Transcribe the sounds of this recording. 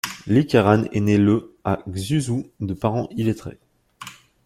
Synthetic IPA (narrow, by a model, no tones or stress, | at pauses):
likʲaʁanḛneləaɡzyzud̪əpaʁɑ̃ʔilet̪χḛ